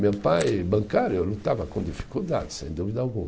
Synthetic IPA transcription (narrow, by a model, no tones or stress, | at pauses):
mewpajbɐ̃ŋkaɾjʊlut̪avɐkõd̪ifi̥kuld̪a̰d̪ɪsḛ̃j̃d̪uvid̪ɐawɡũm